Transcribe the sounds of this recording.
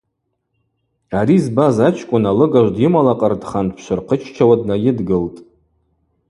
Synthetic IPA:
aɾizbazat͡ʃʰkʷʼʊnalɨɡaʒʷdɪmalaqʼərdχantʰpʰʃʷɨrqʰət͡ʃʰt͡ʃʰawadnajɪdɡɨltʼ

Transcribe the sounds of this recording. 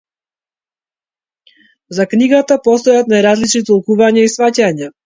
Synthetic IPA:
zakniɡat̪apɔst̪ɔjat̪najɾazlit͡ʃnit̪ɔlˠkuvaɲɛisvacaɲɛ

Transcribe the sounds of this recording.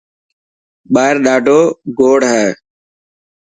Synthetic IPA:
ɓaːɪɾɗaːɖʱoːɡoːɽɦɛː

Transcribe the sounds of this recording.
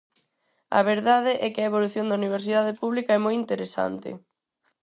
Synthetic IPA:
ɐ̰β̞eɾðað̞ɪʔɛkɪɐeβ̞oluθjond̪ɐuniβ̞eɾsiðað̞ɪpuβlikɐɛmojint̪eɾesa̰nt̪ɪ̰

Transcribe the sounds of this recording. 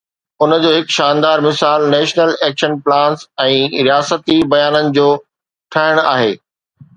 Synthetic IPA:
ʊnə̆d͡ʑoːɦɪkʃãːnd̪aːɾmɪsaːlnɛːʃnəleːkʃənplãːnsɛ̃ːɾijaːsət̪ibɐjaːnənɪ̆d͡ʑoː | ʈʰɐɦɪɽ̃a̰ːɦeː

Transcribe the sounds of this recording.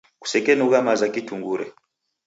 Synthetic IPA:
ku̥sɛkɛnuɣamazakituŋɡuɾɛ

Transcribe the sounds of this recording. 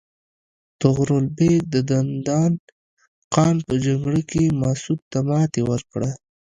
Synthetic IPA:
t̪ʊɣɾolbek̚d̪əd̪and̪ɑn | qɑnpəd͡ʒaŋɡɽəkemɑsud̪̚t̪ːamɑt̪ewəɾkɽa

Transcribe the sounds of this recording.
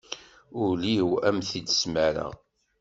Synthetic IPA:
ʊɾliwæmθid̪smæɾə̰

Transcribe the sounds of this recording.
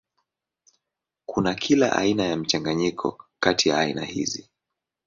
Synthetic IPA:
kunakʰilaʔa̰inajam̩t͡ʃaŋɡaɲikʰɔ̰katʰijaːinahḭzi

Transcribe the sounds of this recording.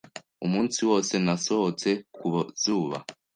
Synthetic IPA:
umuːnsiwo̞ːse̞nasohot͡se̞kuβozuːβa̰

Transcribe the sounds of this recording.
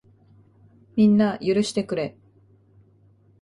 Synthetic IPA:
mʲĩnːajɯɾɯ̟ɕi̥t̪e̞kɯ̟ɾe̞

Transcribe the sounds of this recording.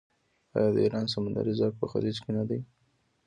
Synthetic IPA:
ɑjɑd̪əiɾɑns̬amand̪a̰ɾizɑk̚pəxa̰ɾizkenad̪aj

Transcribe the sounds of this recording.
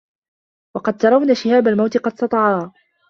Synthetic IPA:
wɑqɑd̪̚t̪ɑɾˤɑwnaːʃɪhaːbalmawt̪ɪqɑd̪̚sɑt̪ˤɑʕɑː

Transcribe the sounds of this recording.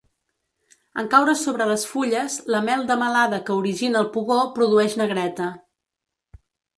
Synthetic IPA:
əŋkawɾəsoβɾələsfuʎəzləmɛlˠd̪əməlaðəkəuɾiʒinəːlˠpuɣopɾuðuɛʃnəɣɾɛt̪ə

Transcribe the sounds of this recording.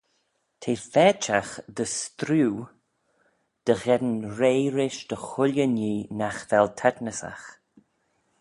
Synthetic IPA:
t̪ʰeːfɛt͡ʃaxd̪əst̪ɾuː | d̪̥əɣɛd̪ənɾeːɾɪʃd̪̥əxʊlʲjəniːnaxvɛlt̪ʰɛdnəsa̰x

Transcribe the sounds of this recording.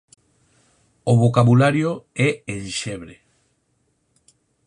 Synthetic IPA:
oβokaβulaɾjoɛenʃeβɾe

